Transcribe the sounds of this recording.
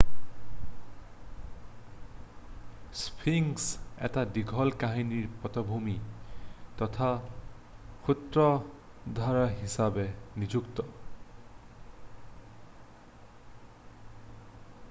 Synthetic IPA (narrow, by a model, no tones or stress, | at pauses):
spʰiŋsḛtadiɡʱɔlkaɦiniɹpɔt̪ɔbʱumi | t̪ɔt̪ʰa | xʰut̪ɹɔ | d̪ʱaɹaɦisabenid͡ʒukt̪ɔ